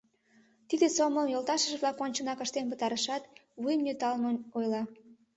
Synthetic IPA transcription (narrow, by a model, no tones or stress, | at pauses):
t̪id̪esoməmjolt̪ɑʃəʒβlɑkonʲt͡ɕənɑkəʃt̪enpət̪ɑɾəʃɑt̪βujəmnyt̪ɑlmonojlɑ